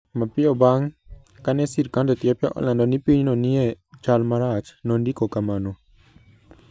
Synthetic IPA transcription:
mapiɔbaŋ | kanɛsiɾkandɔt̪iɔpjaʔɔ̰landɔnipiɲnɔniɛ | t͡ʃalmaɾat͡ʃnɔndikokamano

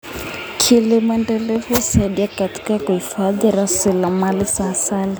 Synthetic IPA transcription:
kʰilimuɛndɛlɛfusaiɗiakati̥kakuhifaðiɾasilamalisaːsali

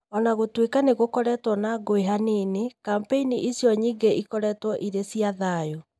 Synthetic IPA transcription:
ɔnaɣotwekaneɣokɔɾɛːtwɔnaɡoeɦaneːnekampeiniʔisjɔɲiːɡeʔikɔɾɛːtwɔʔiɾesiaðaːjo

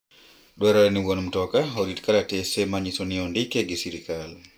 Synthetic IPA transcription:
ɗɔɾaɾɛniɡɔnumtɔkaɦoditkalatɛsɛmaɲisɔniɔndikɛɡɛsiɾikal

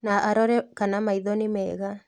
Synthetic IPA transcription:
naʔaɾɔɾɛkanamaiðɔnimɛːɣa

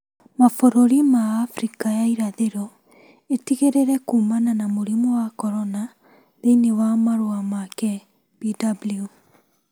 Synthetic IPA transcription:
mafoɾoɾimaːfɾikajaiɾaðeɾɔ | etiɣeɾeɾɛkuːmananamoɾimɔwakɔɾɔna | ðeinewamaɾoamakɛ | b̥idablju

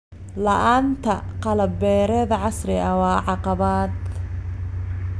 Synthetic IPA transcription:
lɐʔaːnt̪ʰɐqɑlɐbɛːɾɛðɐʕɑsrɪʔɐwɑːʕɑqɑβaːd̪

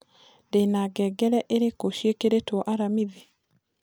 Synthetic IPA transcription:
denaɡɛːɡɛɾɛʔeɾekoʃjekeɾetwɔʔaɾamiði

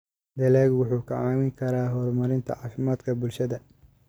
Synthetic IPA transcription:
d̪ɐlɛːɣwʊħuːkʰɐʕaːmɪŋkʰɐɾaːɦɔːrmɐɾɪnt̪ʰɐ̰ʕɑːfɪmaːd̪kʰɐbʊlʃɐðɐ

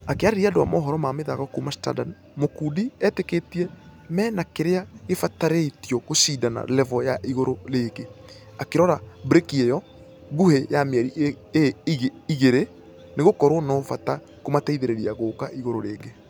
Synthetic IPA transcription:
akeaɾeɾiadowa̰mɔːɦɔɾɔmameðaɣakuːmasta̰dan | mokuːdiɛteketiɛmɛːnakeɾeaɣefataɾetiɔɣosidana̰lɛvɔjaʔiɣoɾoɾeːɡe | akeɾɔɾabɾekiɛjɔ | ɡuhejameɛɾiʔ | ɣiɣeɾe | neɣokɔɾwɔnɔfata | komatɛiðeɾeɾiaɣoːkaʔiɣoɾoɾeːɡe

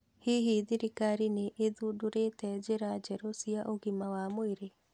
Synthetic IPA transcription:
hiɦiðiɾikaɾineʔeðuːdoɾetɛd͡ʒeɾad͡ʒɛɾosiaʔoɣimawamoeɾe

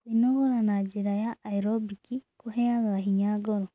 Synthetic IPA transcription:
inoɣoɾanaɟiɾajaːiɾobikikuheaɣaɦiɲaɡoɾo

